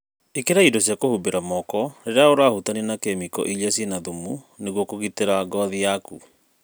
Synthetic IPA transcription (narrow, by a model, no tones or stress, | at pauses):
ekeɾaidɔsjakohubeɾamɔkɔɾeɾeaoɾahutanenakɛmikɔ̰ʔiʎasjenaðumu | neɣwɔkoɣiteɾaɡɔðiaku